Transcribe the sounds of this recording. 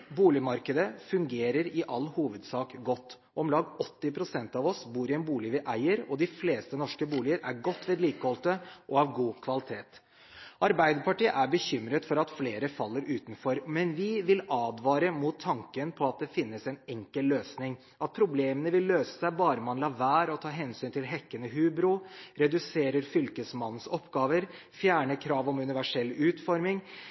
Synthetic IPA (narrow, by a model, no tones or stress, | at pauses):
buːlɪmɑɾkəd̪əfʉŋɡeːɾəɾɪʔɑlːhuːʋəd̪sɑːkɡɔt̪ː | ʔɔmlɑːɡɔt̪ːɪpʰɾʊsɛnt̪ɑʋɔsbuːɾɪɛnbuːlɪʋɪʔæɪəɾɔd̪ɪfleːst̪ənɔʂkəbuːlɪəɾæɾɡɔt̪ːʋeːd̪liːkəhɔlt̪əʔɔɑʋɡuːkʰʋɑlɪt̪ʰeːt̪ | ʔɑɾbæɪd̪əɾpɑʈiːə̰ʔæɾbəçʏmɾət̪fɔɾɑt̪fleːɾəfɑlːəɾʉːt̪nfɔɾmɛnʋɪʋɪlɑːd̪ʋɑːɾəmuːt̪ʰːɑŋkənpʰɔɑt̪̚d̪ɛfɪnːəsɛnɛŋkəlløːsnɪŋ | ʔɑt̪̚pʰɾʊbleːmənəʋɪlːøːsə̥sæɪbɑːɾəmɑnlɑːʋæːɾɔt̪ʰɑːɦɛnsyːnt̪ʰɪlɦɛkːənəɦʉːbɾʊɾɛd̪ʉseːɾəɾfʏlkəsmɑn̩ːsɔpɡɑːʋəɾ | fjæːɳəkʰɾɑːʋɔmʉnɪʋæʂɛlːʉːt̪fɔɾmɪŋ